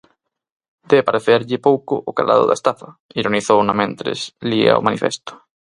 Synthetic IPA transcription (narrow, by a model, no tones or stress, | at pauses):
d̪epaɾeθeɾʎɪpowkʊ̰ʔʊkala̰ðʊ̰ða̰est̪afɐiɾoniθownamẽnt̪ɾḛslia̰o̰manifḛst̪ʊ̥